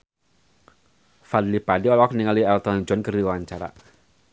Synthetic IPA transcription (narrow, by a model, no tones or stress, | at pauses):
fad̪lipadiɔlaɔkniŋaliɛlt̪ɔnd͡ʒɔnkərdiuwaɲt͡ʃaɾa̰